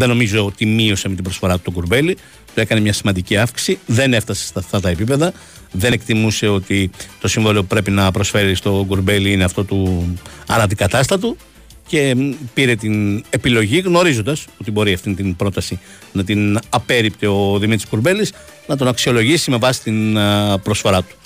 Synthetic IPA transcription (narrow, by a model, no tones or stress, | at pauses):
ðeno̞mizo̞ot̪imio̞semit̪ibɾosfo̞ɾɐt̪u̥t̪oɡuɾbe̞li | t̪ue̞kɐnemɲɐsimɐnd̪iciɐfksi̥siðe̞ne̞ft̪ɐsest̪ɐft̪ɐt̪ɐe̞pipe̞ðɐ | ðe̞nekt̪imuse̞o̞t̪it̪o̞siɱvoliopupɾe̞pinɐpɾo̞sfe̞ɾist̪o̞ɡuɾbe̞liineɐft̪ot̪u | ɐ̰ɾɐnd̪ikɐt̪ɐst̪ɐt̪u | ce̞piɾe̞t̪ine̞pilo̞ʝiɣno̞ɾizo̞nd̪ɐso̞t̪ibo̞ɾiɐft̪int̪inbɾo̞t̪ɐsi | nɐt̪̬inɐpe̞ɾipt̪eo̞ðimit̪ɾiskuɾbe̞lis | nɐt̪̬o̞nɐksio̞lo̞ʝisimevɐsi̥t̪inpɾo̞sfo̞ɾɐt̪u̥